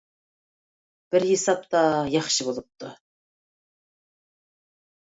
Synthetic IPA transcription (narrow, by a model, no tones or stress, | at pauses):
b̥ɪɾjesɑp̚t̪ɑjɑχʃɨbolˠɨp̚t̪ʊ